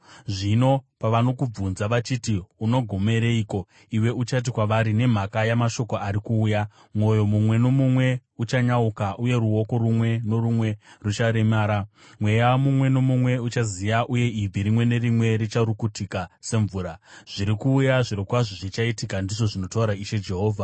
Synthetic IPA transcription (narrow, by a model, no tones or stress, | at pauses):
ʐino̞paʋano̞kub͡vunzaʋat͡ʃitiuno̞ɡʱo̞me̞ɾeiːko̞ | iwe̞ut͡ʃat̬ikwaʋaɾine̞m̤akajamaʃo̞ko̞aɾikuːja | mwo̞jo̞mumwe̞no̞mumwe̞ut͡ʃaɲaukaʔuje̞ɾuwo̞ko̞ɾumwe̞no̞rumwe̞rut͡ʃaɾe̞maːɾa | mwe̞jamumwe̞no̞mumwe̞ut͡ʃazijaʔuje̞ʔib͡vʱiɾimwe̞ne̞rimwe̞ɾit͡ʃaɾukutʰikase̞ɱvuːɾaʐ̥iɾikuːjaʐiɾokwaʐoʐit͡ʃaitikandiʐo̞ʐino̞tauɾaiʃe̞d͡ʒe̞ɦo̞ːvʱa